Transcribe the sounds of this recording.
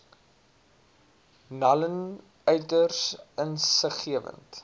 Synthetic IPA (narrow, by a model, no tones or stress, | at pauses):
nɐlən | œɥtərsənsəχiəvə̰nt